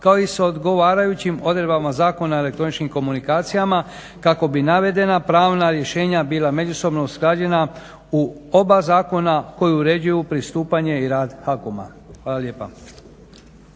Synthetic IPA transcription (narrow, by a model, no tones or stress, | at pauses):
kao̞isod̪ɡo̞ʋaːɾajut͡ɕimo̞d̪ɾebamazaːko̞nae̞le̞k̚t̪ɾo̞nit͡ʃnimko̞munikaːt̪sijama | kako̞binaʋe̞d̪e̞napɾaːʋnaɾje̞ʃe̞ːɲabiːlˠame̞d͡ʑuso̞bno̞uskɾad͡ʑe̞na | uo̞bazaːko̞nako̞juuɾe̞d͡ʑujupɾist̪uːpaɲe̞iɾaːd̪xakoma̰ | xʋaːlˠalje̞ːpa̰